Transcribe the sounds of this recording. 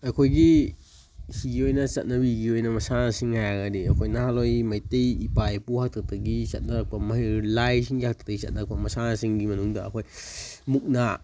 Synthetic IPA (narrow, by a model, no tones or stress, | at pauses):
akʰojɡi | siɡiojnasat̪̚nawiɡiojnamasansiŋaɡadiakʰojnaɦalojmajt̪ejipajpuhak̚t̪at̪aɡisa̰t̪̚nakamaɦilajsiŋɡiak̚t̪ḁt̪ajsa̰t̪̚nakamasansiŋɡimanundaa̰kojmuk̚na